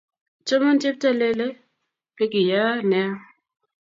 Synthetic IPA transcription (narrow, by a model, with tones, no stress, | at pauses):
t͡ʃo˦mɔ˦ntɪ˦p̚ta˦le˦le˦ | pe˦ki˨ja˦nɛ˦ɔ˦